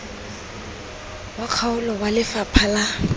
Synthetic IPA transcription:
wakʰaʊlɔwalɪfapʰala

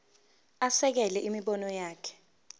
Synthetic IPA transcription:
asɛk̬ɛlɛʔimiɓɔnɔjaːkʰɛ̥

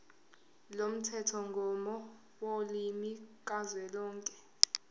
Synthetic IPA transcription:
lom̩tʰɛtʰɔŋɡʱɔmɔ | wolimik̬ʼazwɛlɔːŋkʼɛ

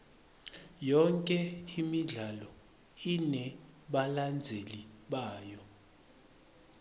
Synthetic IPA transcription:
jɔŋkʼɛimiɮalɔ | inɛɓaland͡zʱeliɓaːjɔ

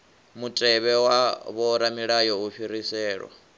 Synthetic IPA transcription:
mutʼɛβɛwaβɔɾamiɺajɔuɸiɾisɛːɺwa̰

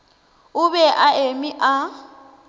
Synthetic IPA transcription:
ʊbɛʔaemiʔa

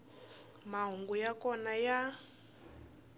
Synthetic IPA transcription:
maɦuŋɡujakɔnaja

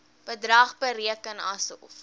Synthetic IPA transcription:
b̥ədrɐːχbəɾiəkənɐsəɔ̰f

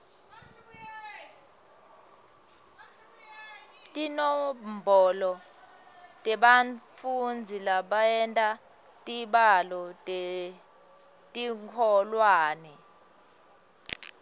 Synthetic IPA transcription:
tʼinɔmbʱɔlɔ | tʼɛɓanfund͡zʱilaɓaɛntʼa | tʼiɓalɔtʼe | tʼiŋkʰɔlwaːnɛ

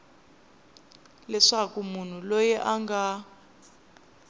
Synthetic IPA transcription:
lɛʂakumun̤ulojɛʔaŋɡa

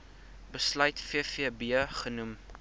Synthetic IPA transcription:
bəslœɥtfiəfiəbiəχənum

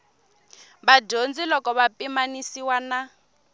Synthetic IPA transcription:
baɟond͡zilɔkɔβapʼimanisiwana

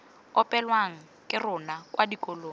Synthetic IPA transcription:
ɔpʼɛlwaŋ̩ | kʼɪrʊnakʼwadikoloːŋ̩

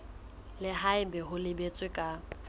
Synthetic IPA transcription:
lɪɦaɪbɛɦʊlɪbet͡sʼwɪkʼa

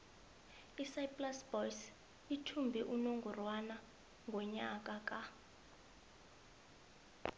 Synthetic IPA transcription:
isajpʼlasb̥ɔjs | itʰumbʱɛʔunoŋɡʱurwana | ŋɡʱɔɲakʼakʼa

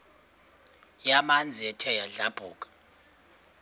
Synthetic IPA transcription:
jamand͡zʱiɛtʰɛjaɮab̥ʱuːkʼḁ

